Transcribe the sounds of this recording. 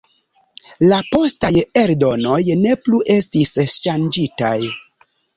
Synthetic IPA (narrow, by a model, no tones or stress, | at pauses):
lapo̞staje̞ɾdo̞no̞jne̞pluʔe̞stisʃand͡ʒitaj